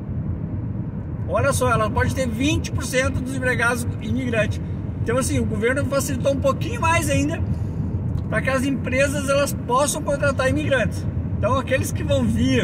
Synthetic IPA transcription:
ɔʎɐsɔɛlɐpɔd͡ʒɪt̪eɾvĩt͡ʃɪ̥poɾsẽnt̪ʊd̪ʊzẽbɾeɡad̪ʊzĩmiɡɾɐ̃nt͡ʃɪ̥s | ẽnt̪ɐ̃w̃asĩʊɡoveɾnʊfasilit̪oũpokĩɲʊmajzaĩnd̪ɐ | pɾɐkɪɐzẽpɾezɐzɛlɐspɔsɐ̃w̃kõnt̪ɾat̪aɾimiɡɾɐ̃nt͡ʃɪ̥sẽt̪ɐ̃w̃akelɪskɪvɐ̃w̃viɾ

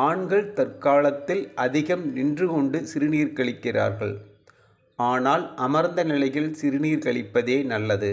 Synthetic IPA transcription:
aːɳɡɐɭt̪ɐrkaːlɐt̪ːɪlɐðɪɣɐmnɪndrɯkɔɳɖɯsɪɾɯniːɾkɐɭɪkːɪra̰ːɾɣɐɭ | aːnaːlʔɐmɐɾnd̪ɐnɪlɐjɪlsɪɾɯniːɾkɐɭɪpːɐðeːnɐlːɐðɯ

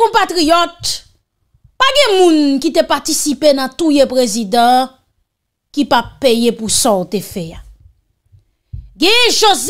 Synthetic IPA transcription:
ɔ̃pat̪ʁijɔt̪̚ | paɡɛ̃mũnkit̪epat̪isipenãt̪ujepʁezid̪ã | kipapːejepusɔ̃t̪efɛa | ɡɛ̃ʒoz

